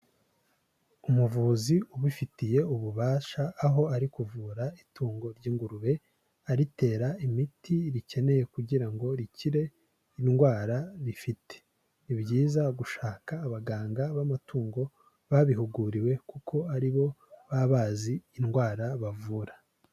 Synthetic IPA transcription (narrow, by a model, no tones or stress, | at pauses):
umuvuːziuβifitije̞uβuβaːʃaːɦo̞aɾikuvuːɾaituːŋɡo̞ɾɟiːŋɡuɾuɾe̞ | aɾite̞ːɾaimitʰiɾice̞ne̞je̞kuɟiɾaŋɡo̞ɾiciɾe̞ | inɡwaːɾaɾifitʰe̥ | nibɟiːzaɡuʃaːkaːβaɡaːŋɡaβamatuːŋɡo̞ | βaβiɦuɡuɾiwe̞kukʰo̞aɾiβo̞βaβaːziːnɡwaːɾaβavuːɾḁ